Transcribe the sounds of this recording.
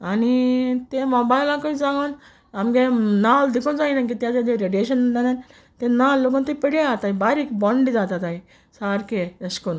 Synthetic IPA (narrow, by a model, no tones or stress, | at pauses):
anit̪emɔbailãkoid͡zãɡan | amɡenald̪ikʰõnd͡zainak̬it̪jãt̪ãd̪eɾeɖeʃənt̪anan | t̪ẽnalːok̬ãnt̪epiɽeat̪aibaːɾikbɔɳɖid͡zat̪at̪ai | saɾkeəskun